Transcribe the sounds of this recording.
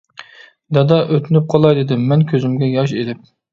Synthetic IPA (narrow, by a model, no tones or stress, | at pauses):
d̪ɑd̪ɑʔøt̪ʰɪnyp̚qʰɑlˠɑjd̪ɪd̪ɪmːɛnkʲʰøzɪmɡʲɛjɑʃelɪp̚